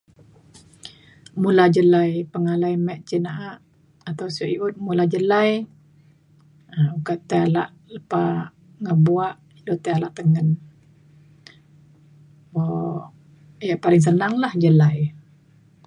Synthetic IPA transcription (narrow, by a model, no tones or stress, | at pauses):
mulad͡ʒəlajpəŋalajmɛʔt͡ʃinaʔaʔ | at̪awsuʔiut̪̚mulahd͡ʒəlaj | ukaʔt̪aalaʔ | ləpa | ŋəbuaʔ | ilot̪aalaʔt̪əŋən | bo | jaʔpalɪŋs̬ənaŋlahd͡ʒəlaj